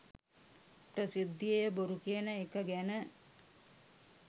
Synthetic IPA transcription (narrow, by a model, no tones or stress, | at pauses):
prəsid̪ːijejəboɾukenəekəɡænə